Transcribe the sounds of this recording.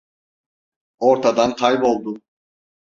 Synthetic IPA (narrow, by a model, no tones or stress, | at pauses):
oɾt̪ʰad̪ankʰajbo̞lˠd̪ʊ